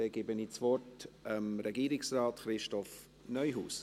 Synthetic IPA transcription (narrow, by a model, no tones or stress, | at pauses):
ɛɡɪbəniːt͡svɔrtəmɾɛɡiːɾɪksraːtχɾɪʃtɔf | nœʏɦuːs